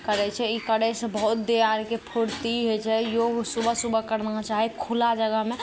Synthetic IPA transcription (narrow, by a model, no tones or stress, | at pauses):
kəɾɛt͡ʃʰɛikəɽɛsə̃bəɦut̪̚d̪eaɾkepʰuɾt̪iɦot͡ʃʰɛjoɡsubʱəsubəkəɾnat͡ʃaɦikʰulad͡ʒəɡəɦmẽ